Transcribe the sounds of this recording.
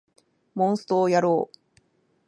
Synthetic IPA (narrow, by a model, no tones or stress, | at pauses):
mõ̞ɰ̃sɨ̥t̪oːjaɾoː